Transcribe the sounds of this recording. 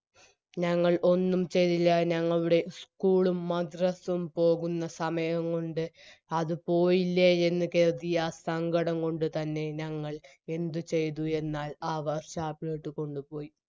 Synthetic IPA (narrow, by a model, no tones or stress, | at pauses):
ɲɐŋːɐɭʔo̞nːumt͡ɕe̞jt̪ːilːɐɲɐŋːɐɭuɽe̞skuːɭumːɐd̪rɐsɐmpo̞ːɣunːɐsɐmɐjɐŋkoɳɖɨɐðɨpo̞ːjilːɐe̞nːɨke̞ːrt̪ijasɐŋɡɐɽɐŋko̞ɳɖɨt̪ɐnːe̞ɲɐŋːɐɭ | e̞nd̪ɨt͡ɕe̞jt̪̬ue̞nːaːlaːʋɐrɕaːpːleːʈːɨko̞ɳɖupo̞ːji